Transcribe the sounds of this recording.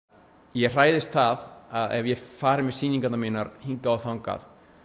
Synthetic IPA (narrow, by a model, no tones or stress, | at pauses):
jɛɣr̥aːjðɪst̪θaðaðɛ̰vjɛfaːɾɪmɛsiːnĩŋkat̪naminaɾhiŋkaawθawŋka̰θ